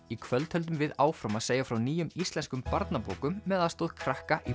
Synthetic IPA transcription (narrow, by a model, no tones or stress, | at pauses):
ikʰvœlt̪ʰhœlt̪̬ʏmvɪðaːwfɾamaðseːjafɾawniːjʏmist̪lɛnskʏmpaɾt̪napo̰ːwkʏmːɛːðaðst̪oːðkʰɾahkaʔi